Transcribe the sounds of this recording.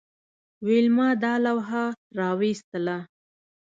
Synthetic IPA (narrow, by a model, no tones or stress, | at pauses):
wilmɑd̪ɑlawɦa | ɾɑwist̪əla